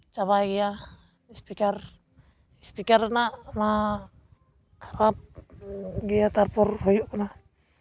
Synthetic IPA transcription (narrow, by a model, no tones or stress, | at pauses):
t͡ʃaβajɡija | spikar | spikarnama | kʰḁɾap̚ | ɡiat̪arpɔrhojuʔkɔna